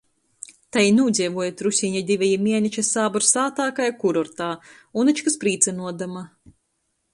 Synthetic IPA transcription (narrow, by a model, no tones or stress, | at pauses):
t̪ajinuːd̪zʲiɛvuɔjat̪ɾusʲiɲad̪ʲivʲɛjimʲiɛnʲit͡ʃasaːbɔɾsaːt̪aːkajkuɾɔɾt̪aː | unat͡ʃkaspɾiːt̪sanuɔd̪ama